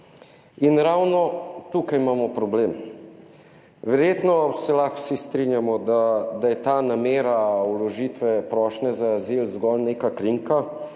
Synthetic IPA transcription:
inɾaːwnɔt̪ukajmaːmɔpɾɔbleːm | ʋɛɾjeːt̪nɔsɛlaxw̥sist̪ɾinjamɔd̪ad̪ajɛt̪anameːɾawlɔʒiːt̪ʋɛpɾɔʃnɛzaːzilzɡɔlnekakɾiŋka

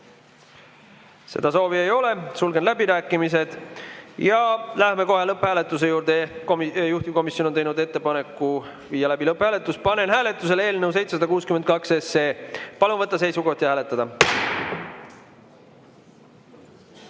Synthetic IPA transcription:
se̞̰d̪ɑso̞ːviejo̞le̞sulɡe̞nlæbiɾæːkːˑimis̬e̞d̪̥jɑlæhme̞ko̞ɦelɤpːhæːlet̪ːˑus̬e̞juːɾd̪ekomjuht̪iko̞misjono̞nejnud̪e̞t̪ːe̞pɑne̞kːˑu | viːjɑlæbilɤpːhæːle̞t̪ːˑuspɑne̞nɦæːle̞t̪ːˑus̬e̞leːlnews̬e̞jt̪sesɑd̪ɑkuːskyment̪̚kɑkse̞se̞ːpɑlunvɤt̪ːˑɑs̬e̞jsuko̞ht̪jɑhæːle̞t̪ːˑɑd̪̥ɑ

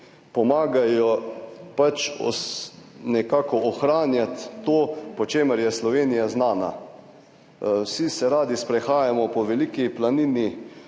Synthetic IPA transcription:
pɔmaːɡajɔpat͡ʃɔ̰ | nɛkaːkɔːxɾaːnjat̪ːoːpɔt͡ʃeːməɾjɛslɔʋeːnijaznaːna̰ | wsisɛɾaːd̪ispɾɛxaːjamɔpɔʋɛlikiplanini

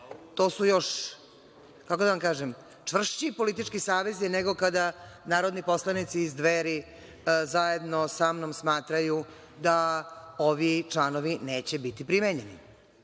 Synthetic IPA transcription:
t̪oːsujo̞ʃ | kakod̪aʋamkaːʒem | t͡ʂʋr̩ʃt͡ɕipo̞lit̪it͡ʂkisaːʋe̞zjeneɡo̞kad̪anaːɾod̪nipo̞slˠanit̪siːzd̪ʋeːɾi | zajed̪nosamnomsmaːt̪ɾaju | d̪aoʋit͡ʂlˠaːnoʋineːt͡ɕebit̪ipɾimeɲenḭ

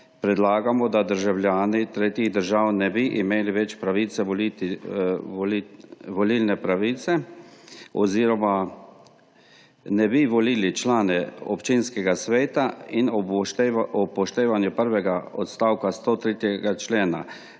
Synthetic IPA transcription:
pɾɛd̪laːɡamɔd̪ad̪əɾʒawlʲjaːnit̪ɾeːt̪jiɣd̪əɾʒawnɛbiʔimeːliʋɛt͡ʃpɾaʋiːt̪sɛʋɔli | ʋɔlilnɛpɾaʋiːt̪sɛ | ɔ̰ziːɾɔma | nɛbiʋɔliːlit͡ʃlaːnɛɔ̰pt͡ʃinskɛɡasʋeːt̪ain | ɔpɔʃt̪eːʋanjupəɾʋɛɡaɔt̪st̪awkast̪ot̪ɾeːt̪jɛɡat͡ʃleːna̰

